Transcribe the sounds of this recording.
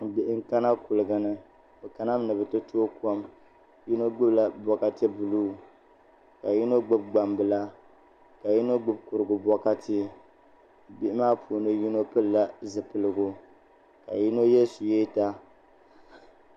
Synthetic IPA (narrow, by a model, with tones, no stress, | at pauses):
bɪ˨ʔɪ˦ŋ̩˦ka˦na˦kʊ˨lɨ˨ɡa˨nɨ˦ | bɨ˨ka˨na˦m˦nɨ˨bɨ˨tɨ˦tʰo˦kɔ˦m | ji˦no˦ɡ͡bɨ˦bla˨bɔ˨ka˦tɛ˦bɨ˨luː˦ | ka˨ji˦no˦ɡ͡bɨ˦b̚ɡ͡ba˨mbɨ˨la˦ | ka˨ji˦no˦ɡ͡bɨ˦b̚kʊ˨ɾɨ˨ɡʊ˨bɔ˦ka˦ti˦ | bi˦˨ʔɪ˦maː˦pʰu˨nɨ˦ji˦no˦pɨ˦lla˦zɨ˨pɨ˨lɨ˨ɡʊ˨ | ka̰˨ji˦no˦jɛ˦su˨je˦ta˦